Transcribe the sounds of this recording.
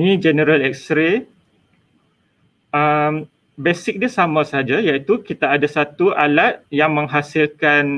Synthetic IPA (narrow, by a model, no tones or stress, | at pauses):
nĩd͡ʒɛnəɾalɛk̚st̪ɾe | əm | besɪk̚dasamãsəɦad͡ʒajait̪ukit̪aːdasat̪uʔalat̪̚jaŋmə̃ŋɦasilkan